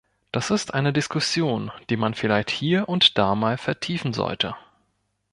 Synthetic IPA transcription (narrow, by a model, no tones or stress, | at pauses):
d̥asɪstʔaɪnədɪskʰʊsjoːnd̥iːmanfɪlaɪçthiːɐʔʊntd̥aːmaːlfɛɐtʰiːfn̩zɔ̰ltʰə